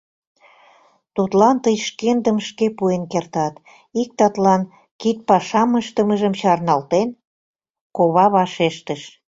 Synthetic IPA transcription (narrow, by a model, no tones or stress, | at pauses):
t̪ut̪lɑnt̪əjʃkend̪əmʃkepuenkert̪ɑt̪ | ik̚t̪ɑt̪lɑn | kit̪̚pɑʃɑməʃt̪əməʒəmt͡ɕɑrnɑlt̪en | koβɑβɑʃeʃt̪əʃ